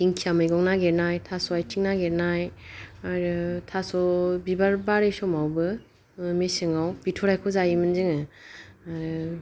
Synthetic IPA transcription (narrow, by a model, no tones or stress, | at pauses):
iŋkʰijamɯjɡɔŋnaɡeɾnajtʰasɔajtʰiŋnaɡeɾnajaɾɯtʰasɔbibaɾbaɾejsɔmawbɯ | mesɯŋawb̥itʰɔɾajkʰɔzajimɯnzɯŋɯ | aɾ